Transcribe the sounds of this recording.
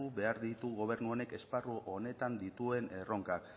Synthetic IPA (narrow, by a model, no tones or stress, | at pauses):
uβe̞aɾðit̪uɣo̞β̞e̞ɾnuo̞ne̞ke̞sparuʔo̞ne̞t̪and̪it̪ue̞nero̞ŋkak